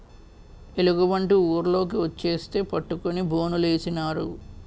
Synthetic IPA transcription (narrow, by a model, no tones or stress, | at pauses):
e̞luɡuʋɐɳʈiuːɾlo̞ːk̬iʋot͡ʃːe̞ːst̪e̞ːpɐʈːukonibo̞ːnule̞ːsinaːɾu